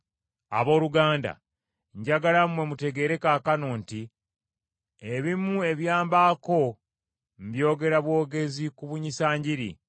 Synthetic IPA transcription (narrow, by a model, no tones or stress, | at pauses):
a̰βo̞ːluɡaːnda̰ | ɲɟaɡalamwe̞mute̞ɡe̞ːɾe̞kaːkanoːnti | eβimue̞βjaːmbaːko̞ | m̩bjo̞ːɡe̞ɾaβwo̞ːɡe̞zikuβuɲisaːɲɟiɾḭ